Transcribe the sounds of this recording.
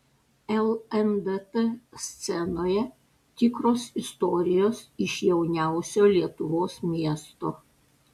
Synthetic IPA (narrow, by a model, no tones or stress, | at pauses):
ɛlˠɛmd̪et̪esʲt̪sʲɛnoːjɛ | t̪ʲɪkɾoːsɪst̪ɔːɾʲɪjoːsɪʃjɛʊnʲæˑʊsʲoːlʲiɛt̪ʊʋoːsmʲiɛst̪oː